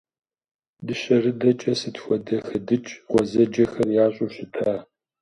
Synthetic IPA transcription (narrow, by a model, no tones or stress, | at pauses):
dɨɕɐrɨdɐt͡ʃʼɐsɨtxʷɔdɐxɐdɨt͡ʃʼʁʷɔzɐd͡ʒɐxɐrjaːɕʼoɕɪtʰaː